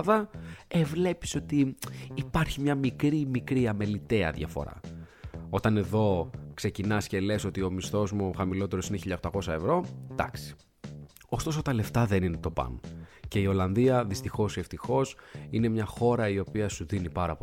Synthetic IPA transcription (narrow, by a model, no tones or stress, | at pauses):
ðɐevle̞pi̥so̞t̪iːpɐɾçimɲɐmikɾimikɾiɐme̞lit̪eɐ̰ðjʝɐ̰fo̰ɾɐ̰ | o̞t̪ɐne̞ðo̞kse̞cinɐsce̞le̞so̞t̪io̞mist̪o̞zmuxɐmilo̞t̪e̞ɾo̞sineçiʎɐt̪ɐko̞sɐe̞vɾo̞d̪̥ɐksi̥ | o̞st̪o̞sot̪ɐle̞ft̪ɐðe̞nine̞t̪o̞pɐ̰nce̞io̞lɐnðiɐðist̪ixo̞sie̞ft̪ixo̞sine̞mɲɐxo̞ɾɐio̞piɐsuðinipɐɾɐpo